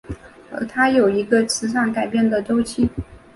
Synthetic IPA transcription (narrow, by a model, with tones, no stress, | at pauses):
ə̰˧˥t̪ʰa˥jo˨˩ʊi˧˥ɡə˧t͡sʰɹ̩˧˥ʂɑ˥˩ŋka˨˩ɪpjɛ˥˩nd̪ə˨ʈ͡ʂo˥ʊt͡ɕʰi˥˩